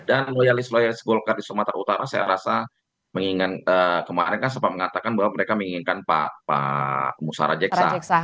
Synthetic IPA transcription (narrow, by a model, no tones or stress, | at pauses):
danlojalɪslojalɪsɡolkardisumat̪a̰ut̪aɾasaja̰ɾasa | məŋiŋanəkəmaɾɛnkans̬əmpat̪̚məŋat̪akanbaɦwaməɾekaməiŋinkanpa̰pa̰musa̰ɾa̰d͡ʒɛkssa̰